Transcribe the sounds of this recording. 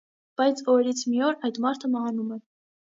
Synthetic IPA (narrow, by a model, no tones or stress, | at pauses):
b̥ɑjt͡sʰɔɾɛɾit͡sʰmiɔɾɑjd̪mɑɾt̪ʰəmɑɦɑnumɛ